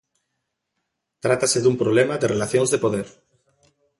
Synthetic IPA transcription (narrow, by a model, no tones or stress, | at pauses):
t̪ɾat̪aseðumpɾoβlemad̪erelaθjõŋzðepoðeɾ